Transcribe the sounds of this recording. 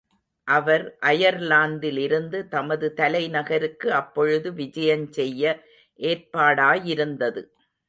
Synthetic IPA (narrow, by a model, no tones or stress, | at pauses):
ʔɐʋɐɾʔɐjɐɾlaːnd̪ɪlɪɾɯnd̪ɯt̪ɐmɐðɯt̪ɐlɐɪnɐɣɐɾɯkːɯɐpːɔɻɯðɯʋɪd͡ʒɐjɐnsɛjːɐ | ʔeːrpaːɽaːjɪɾɯnd̪ɐðɯ